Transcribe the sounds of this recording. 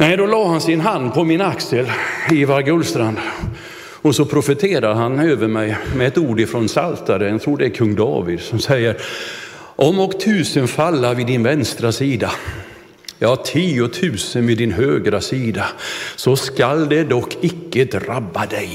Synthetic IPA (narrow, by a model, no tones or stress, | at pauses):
nɛjd̪ɔlɑːhansɪnɦand̪pʰɔmɪnaksəlɪvaɾɡɵlːst̪ɾand̪ | ɔsɔpʰɾʊfət̪ʰeːɾad̪əɦanøːvəɾmɛjmɛːt̪uːɖɪfɾɔnsalt̪aɾət̪ʰɾuːɖɛːɾkʰɵŋːd̪ɑ̰ːvɪd̪sɔmsɛjːəɾ | ʔɔmːɔkːt̪ʰʉ̟ːsənfalːaɾvɪd̪ɪnvɛnst̪ɾasiːd̪a | jɑhatʰiːʊt̪ʰʉ̟ːsənvɪd̪ɪnɦøːɡɾasiːd̪asɔskald̪ɛd̪ɔkʰːɪkːəd̪ɾabːad̪ɛj